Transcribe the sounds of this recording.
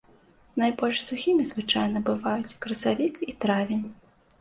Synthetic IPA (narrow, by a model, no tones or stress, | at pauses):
najbɔlʲʂsuxʲimʲizvɨt͡ʂajnɐbɨvajut͡sʲkɾɐsavʲikit̪ɾavʲinʲ